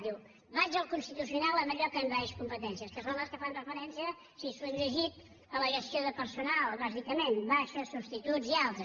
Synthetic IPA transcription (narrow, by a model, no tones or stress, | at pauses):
i | βad͡ʒəlˠkunst̪it̪usiunalˠəməʎokəmβaeʃkumpət̪ɛnsiəskəsonləskəfanrəfəɾɛnsiə | sisəɾəʒit̪ | ələɣəsioðəpəɾsunalˠβazikəmenbaʃəsust̪it̪ud͡zialˠt̪ɾə